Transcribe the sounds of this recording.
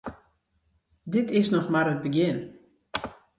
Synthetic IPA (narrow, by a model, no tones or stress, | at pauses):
dɪtɪsnɔxmarət̚bəɡjɪn